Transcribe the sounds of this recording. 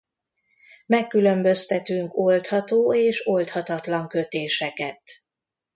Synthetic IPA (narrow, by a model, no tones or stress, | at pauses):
mɛkːylømbø̞st̪ɛt̪yŋko̞lt̪hɒt̪oːeːʃo̞lt̪hɒt̪ɒt̪lɒŋkø̞t̪eːʃɛkɛt̪